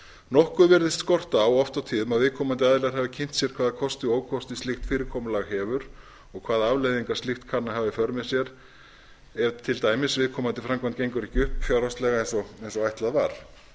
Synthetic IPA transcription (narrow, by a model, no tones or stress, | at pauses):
nɔhkʏvɛɾðɪst̪skɔr̥t̪aːwɔft̪awt̪ʰiːðʏmaðvɪðkʰɔːmant̪ɪaðɪlɛɾhɛvɪcʰɪjn̥t̪sjɛɾ̥kʰvaːðakʰɔst̪ɪoːwkʰɔst̪ɪst̪ɪxt̪fɪːɾɪɾkʰɔːmʏlaɣɦɛːvʏɾ̥ | ɔɣkʰv̥aːðaavlejðiŋkḁst̪ɪxt̪kʰanːaɦavɪfœɾmɪ̥sjɛɾ | ɛvt̪ʰɪlt̪aːjmɪsvɪðkʰɔːmant̪ɪfɾamkʰvant̪cejŋkʏɾɛhcɪʏhpfjawɾast̪lɛɣaejnsɔɛnsɔajht̪laðvaɾ̥